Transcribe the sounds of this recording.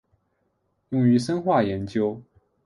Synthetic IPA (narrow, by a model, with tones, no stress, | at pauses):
jʊ˥˩ŋy˧˥ʂə˥nxwa˥˩jɛ˧˥nt͡ɕjo˥ʊ